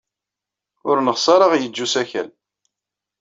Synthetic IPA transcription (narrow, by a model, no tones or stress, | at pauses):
ʊɾnəχsˤɑɾˤəʁjəd͡ʒːusæçæ̰l